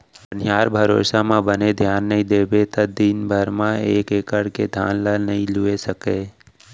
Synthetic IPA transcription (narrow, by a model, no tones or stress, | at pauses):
ənɪjaːɾbʱəɾo̰ːsamãbəned̪ʱjaːnːəɦĩd̪eːbet̪əd̪iːnbʱəɾmãeːkeːkəɽked̪ʱja̰ːnləlnəɦĩlʊesəkeː